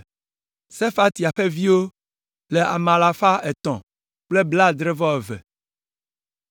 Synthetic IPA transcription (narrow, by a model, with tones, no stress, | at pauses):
se˦fa˦t̪i˨a˨ɸe˦vi˦wo˦ | le˨ʔa̰˨mã˨la˨fa˦ɛ˨t̪ɔ̰̃˨ | k͡ple˦bla˦d̪ɾɛ˦vɔ˦ɛ˨vɛ̰˨